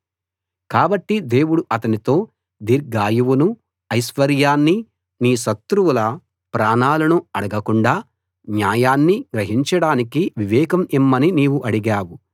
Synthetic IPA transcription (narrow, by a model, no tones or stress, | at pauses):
kaːbɐʈːid̪e̞ːwuɽuʔɐt̪ɐnit̪o̞ː | d̪iɾɡaːjuʋunu | ɐjsʋɐɾjaːnːi | niːʃɐt̪ɾuwulɐ | pɾaːɳaːlɐnuɐɽɐɡɐkuɳɖaː | njaːjaːnːiɡɾɐɦiɲt͡ʃɐɽaːnikiʋiʋɛːkɐmimːɐniniːwuʔɐɽiɡaːwu